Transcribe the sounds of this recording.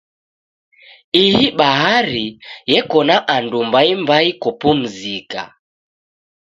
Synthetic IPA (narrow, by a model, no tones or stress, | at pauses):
ihiɓaɦaɾijɛkɔnaʔandumbaimbaikɔpum̩zika̰